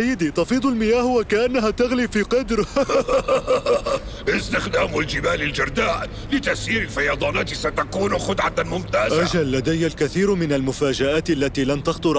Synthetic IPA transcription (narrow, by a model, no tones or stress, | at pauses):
ajːɪd̪it̪ɑfiːd̪ˤʊlmɪjaːhʊwakaʔanːaɦat̪aɣliːfiːqɑd̪ɾ | ʔɪst̪ɪxd̪aːmʊld͡ʒɪmaːlɪld͡ʒɑɾˤd̪aːʔ | lɪt̪aʔsiːɾɪlfɑjɑːd̪ˤɑːnaːt̪sat̪akuːnxʊd̪ʕamʊmt̪aːzʔaʒalːad̪ajːalkaθiːɾmɪnalmʊfaːd͡ʒaʔaːt̪ʔalːat̪iːlamt̪ɑxt̪ˤʊɾˤ